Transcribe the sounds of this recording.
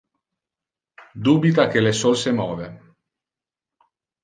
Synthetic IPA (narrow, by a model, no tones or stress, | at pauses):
d̪uːbit̪ak̟elesolsemɔːve